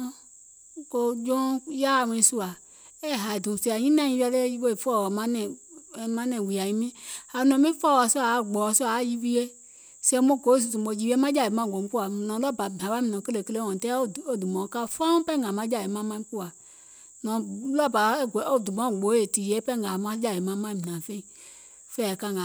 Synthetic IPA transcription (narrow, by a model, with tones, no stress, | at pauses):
ko˨d͡ʒo˦ja˦˨mẽ˨su˦a˨ | e˦ɦa˨dũ˨si˨a˨ɲĩ˦nã˦ɲĩ˦vi˦a˦le˦i˦wo˦e˨fɔ˦˨wmã˦nɛ̃˨mã˦nɛ̃˨wi˨a˨ɲi˨mĩ˦ha˨˦nɔ̃˨mĩ˦fɔ˦˨wa˨so˦a˨˦ɡ͡bɔ˨wɔ˨so˦˨˦ji˦vi˦e˦ | se˦mo˦˨ko˨˦˨zu˨tũ˨ɔ˨d͡ʒi˨wi˦e˦mã˦d͡ʒa˦˨e˨mã˦˨ɡo˨m˦ku˦a˨nɔ̃˨˦lɔ˦˨ba˨bã˨wa˦mĩ˨nɔ̃˨ke˦le˨kle˦ɔ̃˨tɛ˦˨o˦˨du˨mɔ̃˨˦ka˦˨˦fa˦pɛ˦ŋɡa˨mã˦d͡ʒa˦˨je˨mã˦mã˦ku˦a˨ | nɔ̃˨lɔ˦˨ba˨˦ɡo˦˨du˨mɔ̃˨˦˨ɡ͡bo˨˦e˨ti˨je˨˦pɛ˦ŋa˨mã˦d͡ʒa˦˨e˨mã˦mã˦˨mi˨ã˨fe˦i˨ | fe˦a˨ka˦ŋa˨